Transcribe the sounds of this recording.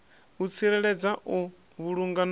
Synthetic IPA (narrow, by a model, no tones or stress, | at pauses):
ut͡sʰiɾɛɺɛd͡zaʔu | βuɺuŋɡan